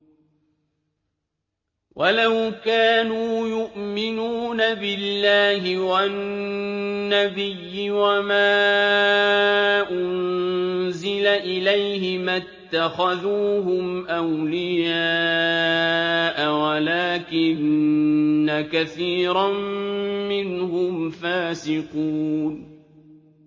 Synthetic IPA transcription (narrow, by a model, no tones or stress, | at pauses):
wʔalawkaːnuːjʊʔmɪnuːnabɪlːaːɦɪwa | abɪjːɪwamaː | ʔʊn | zɪlaʔɪlajhɪmat̪ːaxaðuːɦʊmʔawlɪjaː | ʔawalaːkɪnː | akaθiːɾammɪnhʊmfaːsɪquːn